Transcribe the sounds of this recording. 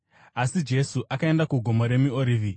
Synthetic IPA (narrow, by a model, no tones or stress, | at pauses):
asid͡ʒe̞suʔakae̞ndakuɡʱo̞moɾe̞mioɾiːvi